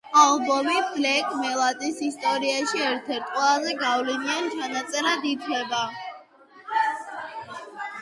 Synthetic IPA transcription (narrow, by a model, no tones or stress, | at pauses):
alˠbɔmiblɛkʼmɛlˠat̪ʼisist̪ʼɔɾiaʃiɛɾt̪ʰɛɾt̪ʼqʼwɛlˠazɛɡavliniant͡ʃʰanat̪sʼɛɾad̪it̪ʰwɛba